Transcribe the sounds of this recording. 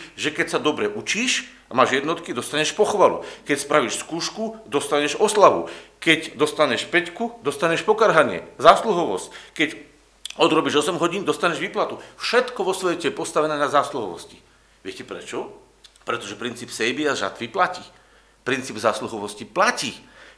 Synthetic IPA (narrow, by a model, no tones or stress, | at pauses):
ʒɛkɛcsad̪ɔbɾɛʔut͡ʃiːʃ | amaːʒjɛd̪nɔt̪kid̪ɔst̪aɲɛʃpɔxʋalṵkɛcspɾaʋiːʃskuːʃkud̪ɔst̪aɲɛʒɔslaʋṵkɛɟd̪ɔst̪aɲɛʃpɛckud̪ɔst̪aɲɛʃpɔkaɾɦaɲɪɛ̰zaːsluɦɔʋɔsckɛc | ɔd̪ɾɔbiʒɔsɛmɦɔɟiːnd̪ɔst̪aɲɛʒʋiːplat̪ufʃɛt̪kɔʋɔsʋɛcɛjɛpɔst̪aʋɛnɛːnazaːsluɦɔ̰ʋɔ̰sci̥ | ʋɪɛcɛpɾɛ̰t͡ʃɔ | pɾɛt̪ɔʒɛpɾint͡siːpsɛjbiaʒa̰t̪ʋiplaciː | pɾint͡siːbzaːsluɦɔʋɔsciplaciː